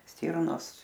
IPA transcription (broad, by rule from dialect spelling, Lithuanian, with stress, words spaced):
ˈsʲtʲiːrnoːs